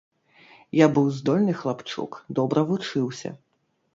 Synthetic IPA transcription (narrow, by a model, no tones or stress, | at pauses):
jabɨwzd̪ɔlʲnɨxlˠapt͡ʂṵkd̪ɔbɾʔɐvut͡ʂɨwsʲɐ̰